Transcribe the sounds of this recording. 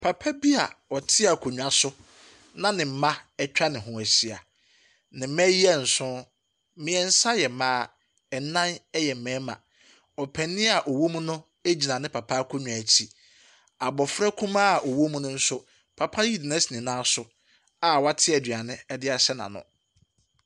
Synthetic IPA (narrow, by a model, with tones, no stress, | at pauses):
pʰa˨pʰa˦bi˦a̰˨ɔ˨tʰɪ˦a˨kʰʊ˨ɲᶣũ˨a˨sʊ˦ | nã˦nɪ̃˨m̩˨˦mã˦ɛ˦t͡ɕᶣa˦nɪ̃˨ɦʊ̃˨æ˨ɕi˨a˨ | nɪ̃˨˦mɛ̃˦ji˦ɛ˦n̩˨sʊ̃˦ | mɪ̃˨ɛ˨n̩˦sa˦jɛ˨mãː˦ | ɛ˨nã˦nɛ˦jɛ˨m̩˨mɛ̃ː˨˦mã̰˨ | ɔ˨pʰɛ̃˨nɪ̃˦a˨ʔɔ˨wo˦mũ˦nʊ̃˦ | æ˦d͡ʑi˨nã˨nɪ̃˦pʰa˨pʰa˦kʰʊ˦ɲᶣu˨a˨t͡ɕʰi˨ | a˨bɔ˨fɾɛ˦kʰũ˦mã˦˨ʔɔ˨wo˦mũ˦nʊ̃˦n̩˦sʊ˦ | pʰa˨pʰa˦ji˦dɪ˨nã˦si˨nĩ˨nãː˦sʊ˦ | a˨wa˦tʰɪ˦ɛ˨dɥa˨nɪ̃˦ɛ˦dɪ˦a˨sɛ˦nã̰˨nʊ̰̃˨